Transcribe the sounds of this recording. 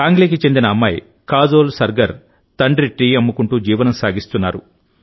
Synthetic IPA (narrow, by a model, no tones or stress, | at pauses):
kaːŋɡleːkit͡ʃe̞nd̪inɐːmːɐj | kaːd͡ʒoːlsɐɾɡɐɾ | t̪ɐɳɖɾiʈːiːɐmːukuɳʈuːd͡ʒiːʋɐnɐmsaːɡist̪unːaːɾu